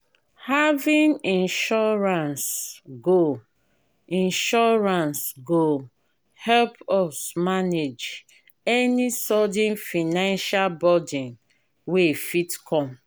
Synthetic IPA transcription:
havĩnĩnʃɔɹãnsɡo | ĩnʃɔɹãnsɡo | hɛlpɔsmaned͡ʒ | ɛnisɔdĩnfinãnʃalbɔdĩn | wefitkʰɔ̃m

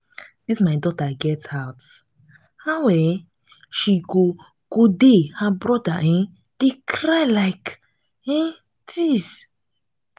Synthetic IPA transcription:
difmaɪdɔtaɡɛtaʊt | hawɛ | ʃiɡo | ɡ̥odehabɹɔdaʔɛ̃n | d̥ekʰɹajlaɪk | ɛ̃ | tʰis

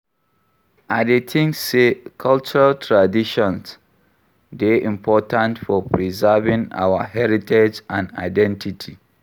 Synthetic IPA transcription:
adetʰĩŋsːekʰalt͡ʃuɹaltʰɹadiʃɔ̃ns | deʔĩmpʰɔtãntfɔpɹizɛvĩŋa̰wahɛɹited͡ʒãna̰ɪdɛ̃ntʰitʰi

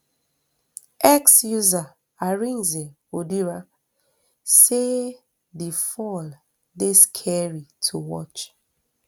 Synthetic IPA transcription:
ʔɛksjuza | aɹĩnzɛ | odiɹa | se | bifɔl | deskʰɛɹitʰuwɔ̰t͡ʃ

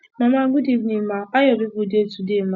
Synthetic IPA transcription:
mamaɡʊdivnimaajɔdʊvudetudema

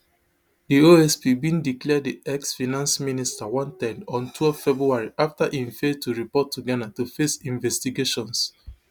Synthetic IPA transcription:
dioɛspibĩndiklɛddiɛksfinãnsministawɔ̃ntɛ̃dɔ̃ntʰwɛlffɛbɹuaɹiʔaftaʔĩnfetuɹipɔtʰːuɡanatufesĩnvɛstiɡeʃɔ̃ns

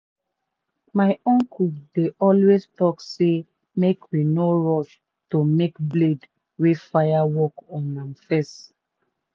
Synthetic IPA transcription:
maɪɔ̃ŋkʰudeʔɔlwestɔkse | mekʰwinoɹɔʃ | tomekbled | wefajawɔkɔ̃nãmfɛs

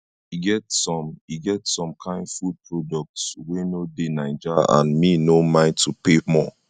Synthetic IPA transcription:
iɡɛtsɔ̃miɡɛtsɔ̃mkʰãɪ̃ndfud̚pʰɹɔdɔk̚tswenodenaɪd͡ʒḭʔã̰nminomãɪ̃ntʰupemɔ

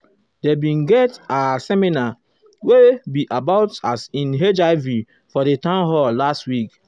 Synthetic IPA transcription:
debĩnɡɛtasɛmina | webiʔabaʊtasĩnɦed͡ʒaɪvi | fɔdetãnɦɔlastwik

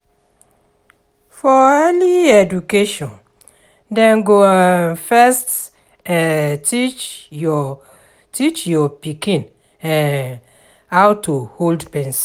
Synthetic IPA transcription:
fɔɛliɛdukeʃɔ̃n | dɛ̃nɡoanfɛst | ɛtit͡ʃ | tʰit͡ʃjɔpikĩn | ɛ̃ | awtʰuholdpɛ̃ns

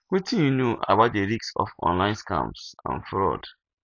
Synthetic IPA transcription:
wetĩnjunjoʔaa̰baʊt̚deɾiksɔ̰fɔ̰̃nlãɪ̃nskã̰msã̰nfɾɔ̰d

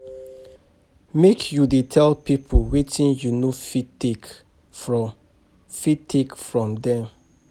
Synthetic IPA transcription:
mekʰjudetʰɛlpipʰowetĩnjunofitek | ɹɔ | fitʰːekfɹɔ̃mdɛ̃m

